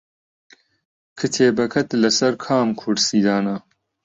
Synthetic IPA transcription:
kʰɨt̪ʰeːbɐkʰɐt̪lɐsɐɾkʰaːmkʰuɾsiːd̪aːna

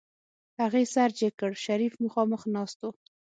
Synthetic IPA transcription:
haɣesaɾd͡ʒekəɽʃaɾifməxɑməxnɑst̪o

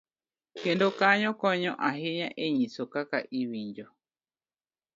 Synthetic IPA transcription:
kendokaɲõkõɲõʔaɦeɲãʔeɲĩsokakaʔiβiɲd͡ʒo

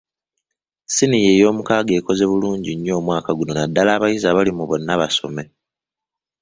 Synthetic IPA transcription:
sinije̞ːjo̞ːmukaːɡe̞ːko̞ze̞βuluːɲɟiɲːo̞ːmwaːkaɡuno̞nadːalaːβajizaβalimuβo̞nːaβaso̞me̞

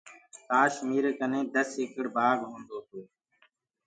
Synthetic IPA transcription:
kaːʃmiːɾkənẽːd̪əseːkəɽbaːɡɦõːnd̪oːt̪oː

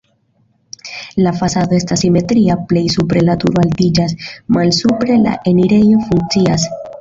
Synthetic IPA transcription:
lafasad̪o̞e̞stasime̞tɾiaple̞jsupɾe̞natṵɾoaldid͡ʒasmalsupɾe̞la̰ʔe̞niɾe̞jo̞fuŋk̚t͡sias

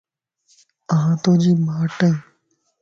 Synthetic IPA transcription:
əɦãːt̪oːd͡ʒiːmaːʈəĩː

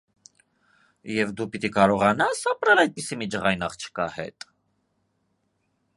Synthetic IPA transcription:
jɛvd̪upit̪ikɑɾɔʁɑnɑsɑpɾɛlɑjd̪̚pisimid͡ʒəʁɑjnɑχt͡ʃʰə̥kɑ̰hɛ̰t̪ʼ

